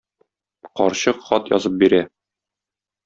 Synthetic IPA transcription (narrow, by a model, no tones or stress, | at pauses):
qɒɾɕɤqχɒt̪jɒ̰zɤp̚biɾæ